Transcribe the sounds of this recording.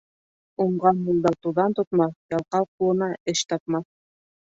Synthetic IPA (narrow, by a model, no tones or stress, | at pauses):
uɴʁɑnmulˠd̪ɑt̪uðɑnt̪ut̪mɑθjɑlˠqɑlˠq̚ulˠɤ̆nɑeʃt̪ʰɑpmɑθ